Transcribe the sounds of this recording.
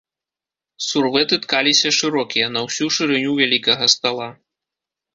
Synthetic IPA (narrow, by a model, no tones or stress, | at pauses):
survɛt̪ɨt̪kalʲisʲɐʂɨɾɔkʲijɐnɐwsʲuʂɨɾɨnʲuvʲalʲikɐɣɐst̪alˠa